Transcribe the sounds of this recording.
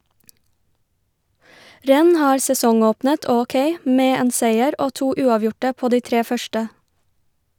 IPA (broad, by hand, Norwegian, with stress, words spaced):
ˈɾɛn̩ ˈhɑːɾ sɛˈsɔŋˌoːpnət ˌɔˈkeɪ ˈmeː ˈeːn ˈseɪəɾ ˈoː ˈtuː ˈʉːɑˌʋjʊʈə ˈpoː ˈdiː ˈtɾeː ˈfœʃʈə